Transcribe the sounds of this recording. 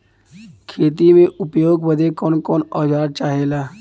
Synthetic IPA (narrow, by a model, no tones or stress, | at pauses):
kʰeːt̪imẽʔʊpjoːɡbəd̪ekɔːnkɔːnɔːd͡ʒaːɾt͡ʃaːɦeːlaː